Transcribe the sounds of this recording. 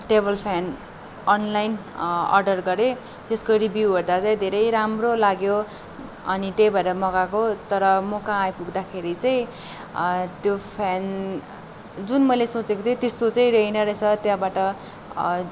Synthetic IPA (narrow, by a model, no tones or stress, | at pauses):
ʈebʌlpʰan | ʌnlajn | ʌ̰rɖʌrɡʌɾe | t̪eskoɾibjiuwʌrd̪at͡sʌĩd̪ʱeɾʌjɾamrolaɡjo | ʌ̰nit̪ʌjbʱʌeɾʌmʌɡakot̪ʌɾʌmokããjpuɡd̪akʰeɾit͡sʌĩ | t̪jopʰan | d͡zunmʌjlesot͡sekot̪ʰjot̪est̪ot͡sʌĩrʌjnʌɾet͡sʰʌt̪jãbaʈʌ